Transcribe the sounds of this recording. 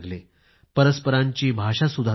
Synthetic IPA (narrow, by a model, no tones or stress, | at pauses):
ɡle | pəɾəspəɾaɲt͡ɕiːbʱaʂasud̪ʱa